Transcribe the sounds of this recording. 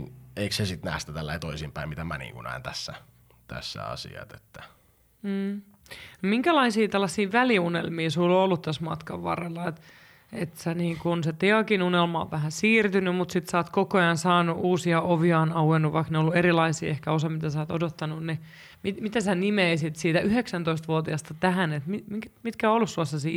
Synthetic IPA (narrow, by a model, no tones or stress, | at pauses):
neiksesit̪næ̰ːhst̪æt̪ælːæit̪oisimpæimit̪æmænḭːŋkunæ̰ːnt̪æsːæ | t̪æ̰sːæ̰ɑ̰sḭɑ̰t̪e̥t̪ːæ̥ | m̩ː | nomiŋkælɑisiːt̪ælːɑsːiːʋæliunelmiːsulːoolːut̪t̪æsmɑ̰t̪kɑʋʋɑ̰rːelːɑet̪ | et̪sæniːŋkunset̪eɑkinunelmɑo̰ʋʋæhænsiːrt̪ynymmut̪sit̪sɑːt̪kokojɑnsɑːnuʔuːsiɑʔoʋiɑːnɑuwenːuʋʋɑikneiolːuerilɑisḭːehkæosɑmit̪æsɑːt̪odot̪ːɑnunni | mimit̪æsænimeisit̪siːt̪æʔyheksænt̪oist̪ʋuot̪iɑst̪ɑt̪æɦænet̪mimikmit̪kæoolːussuɑsːɑsi